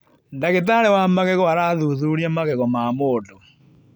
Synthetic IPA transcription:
ndaɣet̬aɾewamaɣɛɣɔaɾaðuðuɾiamaɣɛɣɔmamoːtɔ

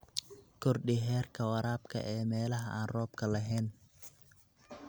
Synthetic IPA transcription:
kʰɔrɖɪɦɛːrkʰɐwɑɾaːb̚kʰɐ̰ʔɛːmɛːlɐɦɐ̰ʔaːnrɔːb̚kʰɐlɐɦɛːn

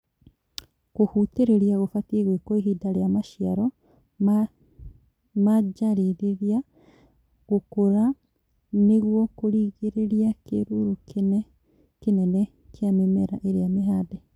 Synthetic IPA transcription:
ɣohuteɾeɾiaɣofatiɣwekoeɦidaɾeamaʃiaɾɔ | m | mad͡ʒaɾiɾeɾia | ɣokoɾa | neɣwɔkoɾiːɣeɾeɾiakḛɾuɾukenɛ | kenɛnɛ | kʰeamemɛɾaʔeɾeameɦadɛ

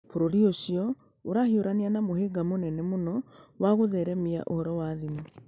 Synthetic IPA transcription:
poɾoɾioɕiɔ | oɾahioɾaneanamoheɡamonɛnɛmonɔwaɣoðɛɾɛmia̰ʔo̰hɔɾɔwaðimu

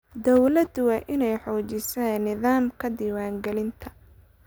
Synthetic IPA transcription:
d̪ɔwlɐd̪ʊwɑːʔɪnɛjħɔːt͡ʃɪsɛːnːɪðaːmkʰɐd̪iːwaːŋɡɛlɪnt̪ʰɐ̥

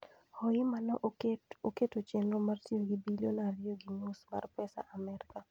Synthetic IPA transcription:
hɔjɪmanɔʔoketot͡ʃenɾomartioɡibilonaɾɪjoɡinosma̰rpɛsa̰ʔamɛɾka

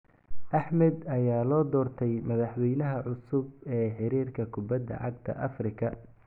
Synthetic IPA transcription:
ʔɐħmɛd̪ɐjaːlɔːd̪ɔːrt̪ʰɛjmɐðɑħwɛjnɐɦɐʕʊsʊbɛːħɪɾiːrkʰɐkʰʊbɐd̪ːɐ̰ʕɑɡt̪ʰɐ̰ʔɐfrɪkʰɐ

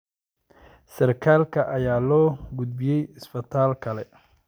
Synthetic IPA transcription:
sɐrkʰaːlkʰɐʔɐjaːlɔːɡʊd̪̚bɪjɛjɪsfɐt̪ʰaːlkʰɐlɛ

